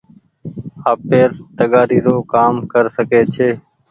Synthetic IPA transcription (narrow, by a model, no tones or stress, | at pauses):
aːpeːɾt̪əɠaːɾiːɾoːkaːmkəɾsəkeːt͡ʃʰeː